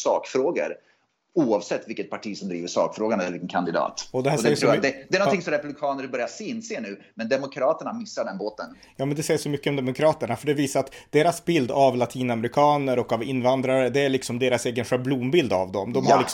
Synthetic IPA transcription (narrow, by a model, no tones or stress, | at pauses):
sɑːkfɾoːɡə̰ɾ | uːɑvsɛt̪ːvɪlkːət̪̚pʰaʈʰiːsɔmd̪ɾiːvəʂɑ̰ːkfɾoːɡanɛlːɾvɪkːənkʰand̪ɪd̪ɑ̰ːt̪ɔd̪ɛæːsd̪ɛjɾɔuːad̪ɛd̪ɛɾnɔnɪŋsɔmɾɛpʉblɪkʰɑːnəɾbœɾjasenːseːnʉ̟ː | mɛnd̪ɛmʊkʰɾɑːt̪əɳamɪsːaɖɛnboːt̪ən | jɑːmɛnd̪ɛsɛjəʂɔmʏkːəɔmd̪ɛmʊkʰɾɑːt̪əɳafœɖɛviːsaɾat̪d̪̥eːɾasbɪld̪avlat̪ʰiːnamɛɾɪkʰɑːnəɾɔkavɪnːvand̪ɾaɾəd̪ɛæɭɪksɔmd̪eːɾaseːɡənɧɛblumbɪld̪a̰vd̪ɔmd̪ɔmhaɾɭɪk